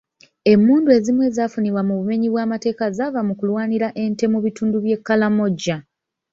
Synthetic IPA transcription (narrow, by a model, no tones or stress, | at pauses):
e̞mːuːndue̞zimwe̞ːzaːfuniβwamuβume̞ɲiβwaːmate̞ːkazavamukulwaːniɾaʔe̞nte̞muβituːnduβje̞kːalamo̞ɟːa